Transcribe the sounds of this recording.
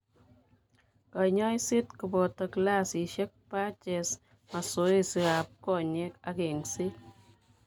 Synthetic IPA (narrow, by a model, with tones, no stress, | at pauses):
ka˨ɲɔ˦jsi˦tku˨bɔ˨tɔ˧kla˦si˨ʃe˦k̚pa˦t͡ʃɛ˨s | ma˨so˦i˦si˦ɾap̚kɔ˦ɲe˦ka˦ke˨ŋsi˦t̚